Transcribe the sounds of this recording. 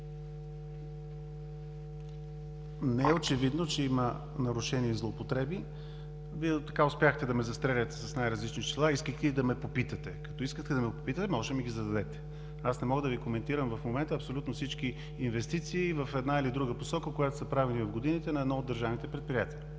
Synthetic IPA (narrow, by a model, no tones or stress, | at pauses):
nɛɛot͡ʃɛvid̪not͡ʃɛimə | nɐɾʊʃɛniɛzlˠoːpot̪ɾɛbi | viɛt̪ɐkaʊspʲjaxt̪ɛd̪ɐmɛzɐst̪ɾɛlʲət̪ɛ̥sɐsnajɾəzlit͡ʃniʃt͡ʃ̪ɛlˠaiskəxt̪ɛid̪ɐmɛpopit̪ət̪ɛkɐt̪ɔiskət̪ɛd̪ɐmɛpopit̪ət̪ɛmɔʒɛmiɡʲizɐd̪ɐd̪ɛt̪ɛ̥ | asnɛmɔɡəd̪əvikomɛnt̪iɾəmvɐfmomɛnt̪əːpsolʲut̪nofsit͡ʃk̟iː | nvɛst̪it̪siːvəfɛd̪nailid̪ɾuɡəposɔkəkojat̪o̥sɐpɾavɛnivɐfɡod̪init̪ɛnɐɛd̪nɔod̪ːəɾʒavnit̪ɛpɾɛt̪̚pɾijat̪ii